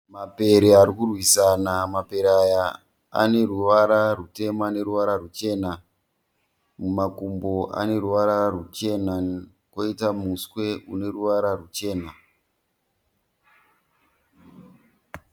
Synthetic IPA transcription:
mape̞ɾeaɾikurwisanamape̞ɾaja | a̰ne̞ruʋaɾarute̞mane̞ɾuʋaɾarut͡ʃe̞ːna | mumakumbo̞ʔa̰ne̞ruʋaɾarut͡ʃe̞na | kwo̞itamuskwe̞une̞ruʋaɾarut͡ʃe̞ːna

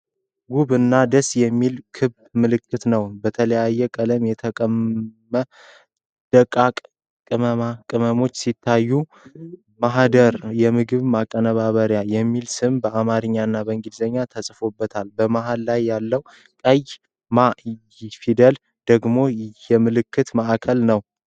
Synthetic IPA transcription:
ɡuβɨnːad̪əsjɛmːilkʰɨβd̪mɨlɨkːɨt̪nəwbət̪ʰələjajːɛkʼələmjɛt̪ʰəkʼəmː | ə | d̪̥əkʼakʼ | kʼɨməmakʼɨməmo̞t͡ʃːsit̪ʰːajːu | maɦd̪əɾjɛmɨɡɨβmakʼːənəβaβəɾjajɛmːilsɨmbəʔamaɾɨɲːanːabəŋɡid̪zəɲːat̪ʰəsʼfo̞bːət̪ʰalbəmaɦalːajːalːəw | kʼəj | ma | fid̪əl | d̪̥əɡmo̞jɛmɨlɨkʰːɨt̪maʔakʰəlnəw

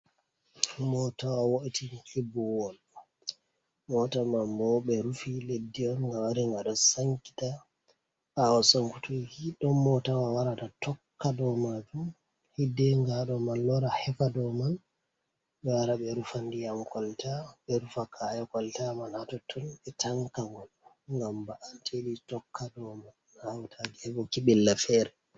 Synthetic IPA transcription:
mɔtawawoʔitikʰibɔwɔl | mɔtamambɔɓɛɾufiledːiɔnŋɡawaɾiŋɡaɗɔsaŋki̥ta | awasoŋkutukiɗɔmmɔtawawaɾatatɔkːadɔmad͡ʒum | hidɛŋɡaɗɔmanːɔɾahɛfadɔman | ɓɛwaɾaɓɛɾufandijamkɔltaɓɛɾufakʰajɔkɔltamanhatɔtʰːɔnɓɛtʰaŋkaŋɡɔl | ŋɡambaʔatʰeɗitɔkʰːadɔmanːahawtʰaɡɛɛbɔkiɓɛlːafɛɾɛ

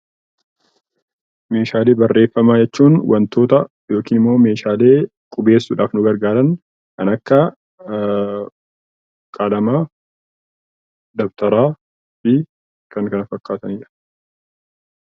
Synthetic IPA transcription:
me̞ːʃaːle̞ːbɐrːe̞ːfːɐmaːd͡ʒɛt͡ʃːuːnwɐnt̪o̞ːt̪ɐ | jo̞ːkiːnɪmːo̞ːme̞ːʃaːle̞ː | kʼʊbe̞ːsːʊᶑaːfnʊɡɐɾɡaːɾɐn | kɐnɐkːɐ | kʼalɐmaː | d̪ɔbt̪ɐɾaː | fɪ | kɐŋkɐnɐfɐkːaːt̪ɐniːᶑɐ̥

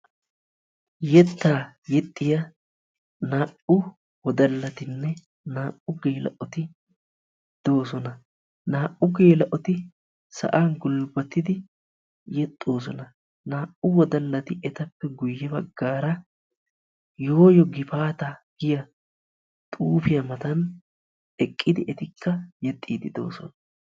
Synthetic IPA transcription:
jɛt̪ːaːjɛt̪ʼːɪjɐ | naːʔʊ | wɔd̪ɐlːɐt̪ɪnːɛ | naːʔːʊɡeːlɐ̰ʔɔt̪ɪ | d̪̥o̞ːsɔnɐ | naːʔʊɡeːlɐʔɔt̪ɪ | sɐ̰ʔaːnɡʊlbɐt̪ːɪd̪ɪ | jɛt̪ʼːo̞ːs̬ɔnɐ | naːʔʊwɔd̪ɐlːɐt̪ɪʔɛt̪ɐpːɛɡʊjːɛbɐɡːaːɾɐ | jo̞ːjɔɡɪfaːt̪ɐɡ̥ɪjɐ | t̪ʼuːfɪjɐmɐt̪ɐn | ɛkʼːɪd̪ɪʔɛt̪ɪkʰːɐjɛt̪ʼːiːd̪ɪd̪o̞̰ːsɔnɐ

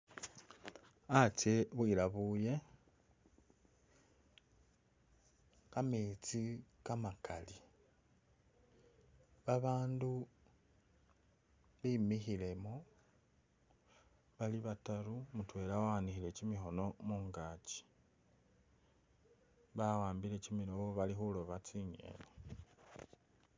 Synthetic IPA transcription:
at͡ʃe̞βwiɾaβuje̞ | kamet͡sikamakʰali | βaβaːndu | βimixile̞mo | βaliβataɾumutwe̞ːlawaanixile̞cimixo̞no̞muːŋɡaːci̥ | βawaːmbile̞cimiɾoβoβalixulo̞βat͡siɲḛle

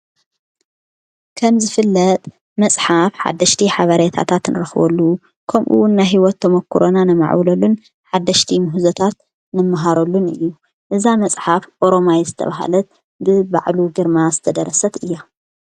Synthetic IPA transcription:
kʰɐmzɨfɨlːɐt̪ʼ | mɐsʼħafħa̰d̪ːɐʃt̪ʰiħaβɐɾjet̪ʰa̰t̪ʰat̪nɨɾɐxβo̰lːu | kʰɐmʔṵwʊnːajɦiwɔt̪ʰːɐmɐkʰːuɾonanɨma̰ʕwlɐlun | ħad̪ːɐʃt̪ʰimuhuzot̪ʰat̪ | nɨmːaɦaɾolːunɨ̰jːu | ʔɨzamɐsʼħafʔoɾo̞majezɨt̪ʰɐ̰βaɦa̰lɐt̪̚ | bɨba̰ʕluɡɨɾmazɨt̪ʰɐd̪ɐɾɐsɐt̪ɨjːa

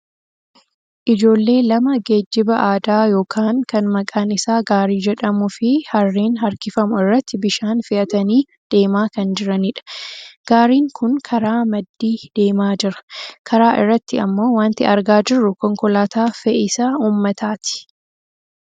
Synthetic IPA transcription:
ʔɪd͡ʒo̞ːlːe̞ːlɐmɐɡe̞ːd͡ʒːɪbɐʔaːd̪aːjo̞ːkʰaːŋkɐnmɐkʼaːnɪsaːɡaːɾiːd͡ʒɛᶑɐmʊfɪhɐrːiːnhɐɾkɪfɐmʊɪrːɐt̪ːɪbɪʃaːnfɪʔɐt̪ɐniː | d̪̥e̞ːmaːkɐnd͡ʒɪɾɐniːᶑɐ̥ɡ̥aːɾiːŋkʰʊnkʰɐɾaːmɐd̪ːiːd̪̥e̞ːmaːd͡ʒɪɾɐ̥kʰɐɾaːʔɪ̰rːɐt̪ːɪɐmːo̞ːwaːnt̪ɪɐɾɡaːd͡ʒɪrːʊkɔŋkɔlaːt̪aːfɛʔɪsaːuːmːɐt̪aːt̪ɪ̥

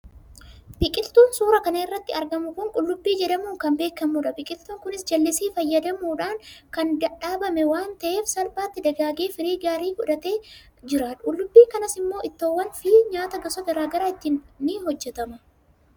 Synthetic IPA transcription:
bɪkʼɪlt̪uːnsuːɾɐkɐnɐɪrːɐt̪ːɪɐɾɡɐmʊkʊŋkʼʊlːʊbːiːd͡ʒɛᶑɐmuːŋkɐmbe̞ːkːɐmuːᶑɐbɪkʼɪlt̪uːŋkʊnɪsd͡ʒɐlːɪsiːfɐjːɐd̪ɐmuːᶑaːŋkɐnd̪ɐᶑaːbɐmɛwaːnt̪ɐʔe̞ːfsɐlbaːt̪ːɪd̪ɐɡaːɡeːfɪɾiːɡaːɾiːɡʊᶑɐt̪e̞ː | d͡ʒɪɾaᶑkʼʊlːʊbːiːŋkɐnɐsɪmːo̞ːʔɪt̪ːoːwːɐnfiːɲaːt̪ɐɡɐsɐɡɐɾaːɡɐɾaːɪt̪ːɪnnːɪɦɔd͡ʒːɛt̪ɐmɐ

